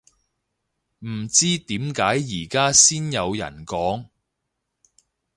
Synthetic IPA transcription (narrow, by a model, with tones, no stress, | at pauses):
m̩˨˩t͡siː˥t̪iː˨˥mkaː˨˥jːiː˨˩kaː˥siː˥njɐ˨˧wjɐ̰˨˩nkɔː˨˥ŋ